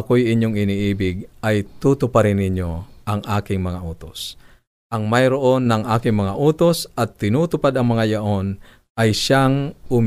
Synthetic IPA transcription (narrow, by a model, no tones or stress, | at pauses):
ɐkojɪɲoŋɪniʔiːbɪɡ̚ɐjt̪ut̪ʊpaɾɪnɪɲjoʔɐŋʔaːkɪŋmɐŋaʔoːt̪os | ʔɐŋmajɾoʔo̞nːɐŋʔaːkɪŋmɐŋaʔuːt̪osɐt̪ːɪnuːt̪ʊpad̪ɐŋmɐŋajaʔon | ʔɐjʃaŋʊm